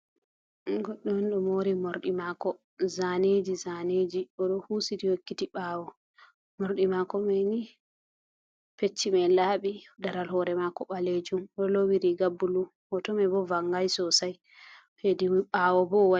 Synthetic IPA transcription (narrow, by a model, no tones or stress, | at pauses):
ɡɔɗːɔmnɗɔmoɾimoɾɗimakɔ | zaned͡ʒizaned͡ʒiɔɗɔhusitiwokːitiɓaːwɔ | moɾɗimakɔmajni | pet͡ʃːimɛlaɓidaɾalhɔɾɛmakɔɓaled͡ʒumɔlowiɾiɡabːulu | ɔtɔmɛbɔvaŋɡajsɔsaj | ɔhediwiɓaːwɔbɔwa